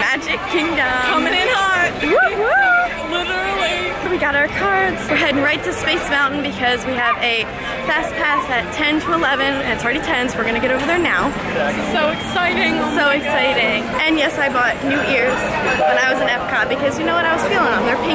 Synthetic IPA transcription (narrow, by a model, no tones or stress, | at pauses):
mæd͡ʒɨkkʰɪ̃ŋdə̃kʰʌmɪ̃ŋɨ̃nhɑɹt̚wwʌ | lɪɾə˞l̩ˠiwiɡɑɾaʊə˞kʰɑɹdz̥wɦɛdⁿn̩ɹaɪtʰɨspeɪsmãʊ̃ʔn̩bɨkʰʌzwiɨvɨ | fæspʰæsɨtʰɛ̃ntʰəəlɛvɨ̃nɨ̃nɨtsl̩ˠɹɛɾitʰɛ̃nswɨɹɡʌñɨɡɛɾoʊvə˞ðə˞naʊ | soʊɨksaɪɾɪ̃ŋsoʊɨksaɪɾɪ̃ŋ | ʔɨ̃njɛsaɪbɔtⁿnʉʔɪɹz̥ | ə̃ñaɪwʌzɨ̃nɛfkʰɑbɨkʰʌzjɨnoʊwʌɾaɪwʌz̥filˠɪ̃ŋə̃ðə˞pʰɪ̃